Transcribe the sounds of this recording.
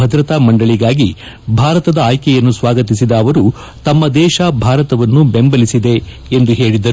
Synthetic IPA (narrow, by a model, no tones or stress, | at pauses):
ɐd̪ɾɐt̪aːmɐɳɖɐɭiɡaːɡi | bʱaːɾɐt̪ɐd̪ɐaːjkɛjɐnːusʋaːɡɐt̪̬isid̪ɐːʋɐɾu | t̪ɐmːɐd̪ɛːʃɐbʱaːɾɐt̪ɐʋɐnːubembɐlisid̪e̞ | end̪uɦe̞ːɭid̪ɐɾu